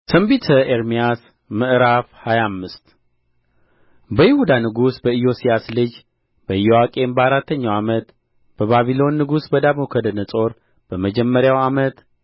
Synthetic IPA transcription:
t̪ʰəmbit̪ʰəʔeɾmijas | mɨʔɾafhajamːɨst̪ | bəjɪhud̪anɨɡusbəɨjo̞sijaslɨd͡ʒ | b̥əɨjowakʼe̞nbəaɾat̪ʰːəɲːawamət̪ | b̥əβaβilo̞nːɨɡusbəd̪amokʰəd̪ənət͡sʼo̞ɾ | b̥əməd͡ʒɛmːəɾjawamət̪

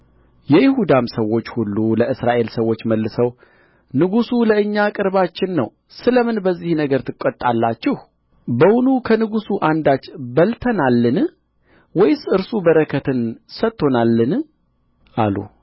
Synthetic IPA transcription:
jɛjɪhud̪amsəwːo̞t͡ʃːhulːuləʔɨsɾaʔe̞lsəwo̞t͡ʃːməlːɨsəw | nɨɡusuləɨɲːakʼɨɾβat͡ʃːɪnːə̰w | sɨləmɨnbəzːihnəɡəɾt̪ʰɨkʼːot̪ʼːalːat͡ʃːɪh | bəwʊnukʰənɨɡusuʔand̪at͡ʃːbəlt̪ʰənalːɨn | wɔjsɨɾsubəɾəkʰət̪ʰɨnsət̪ːo̞nalːɨn | ʔalṵ

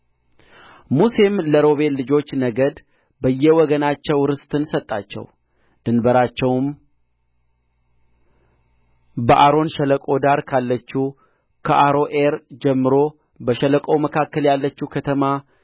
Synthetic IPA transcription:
muse̞mləɾo̞βe̞lːɨd͡ʒo̞t͡ʃːnəɡəd̪ | bəjːɛwɔɡənat͡ʃːɛwɾɨst̪ɨnsət̪ʼːat͡ʃːɛ̰w | d̪̥ɨnbəɾat͡ʃːɛwm | bəʔaɾo̞nʃɛləkʼo̞d̪aɾkʰalːət͡ʃːu | kʰəʔaɾoʔeɾd͡ʒɛmːɨɾo̞ | bəʃələkʼo̞wməkʰakːəljalːət͡ʃːukʰət̪ʰəma

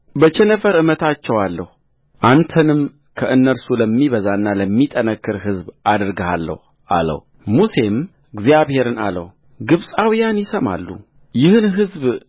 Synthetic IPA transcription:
bət͡ʃʰɛnəfəɾɨmət̪ʰat͡ʃːɛwalːəhu | ʔant̪ʰənɨm | kʰəʔɨnːəɾsuləmːiβəzanːaləmːit̪ʼənəkːɨɾɦɨzbad̪ɨɾɡəhalːə̰hu | ʔa̰lə̰h | muse̞m | ɨɡzjaβhe̞ɾɨna̰lə̰h | ɡɨβsʼawijanjɪsəma̰lːṵ | jɪhɨnɦɨzb

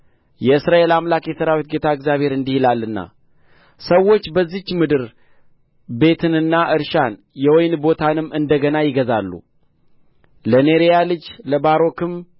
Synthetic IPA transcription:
jɛɨsɾae̞lamlakjɛsəɾawit̪̚ɡe̞t̪ʰaɨɡzjaβhe̞ɾɨnd̪ihilalːɨnːa̰ | səwːo̞t͡ʃːbəzːit͡ʃːmɨd̪ɨɾ | be̞t̪ʰɨnɨnːaʔɨɾʃan | jɛwojnbo̞t̪ʰanɨmːɨnd̪əɡənajɪɡəzalːṵ | ləneɾejalɨd͡ʒləbaɾo̞kɨm

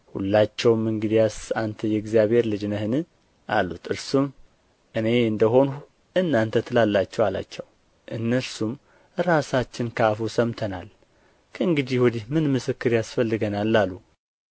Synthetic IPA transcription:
hṵlːat͡ʃːɛwmɨŋɡɨd̪ijasant̪ʰəjɛɡzijaβe̞ɾlɨd͡ʒnəhɨnɨ | ʔa̰lːut̪ʰɨɾsum | ʔɨne̞ɨnd̪əɦo̞nu | ʔɨnːant̪ʰət̪ʰɨlalːat͡ʃːɛwala̰t͡ʃːɛw | ʔɨnːəɾsum | ɾasat͡ʃːɪnkʰafusəmt̪ʰəna̰l | kʰəɨŋɡɨd̪ihwɔd̪ihmɨnmɨsɨkːɨɾjasfəlːɨɡənalːalːu

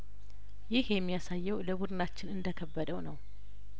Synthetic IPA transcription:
jɪhjɛmːijasajːɛwləbud̪ɨnat͡ʃːɪnɨnd̪əkʰəbːəd̪əwnəw

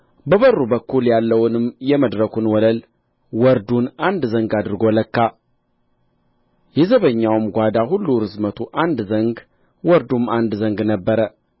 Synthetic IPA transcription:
bəβərːubəkʰːuljalːəwʊnɨmjɛməd̪ɾəkʰunwɔləl | wɔɾd̪unand̪zəŋɡad̪ɨɾɡoləkːa | jɛzəβəɲːawmɡʷad̪aɦulːuɾɨzmət̪ʰuʔand̪zəŋɡ | wɔɾd̪umand̪zəŋɡnəbːəɾə

